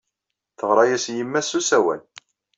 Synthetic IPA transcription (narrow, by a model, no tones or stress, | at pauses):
θəʁɾˤɑjæsjimːæsusæwæ̰n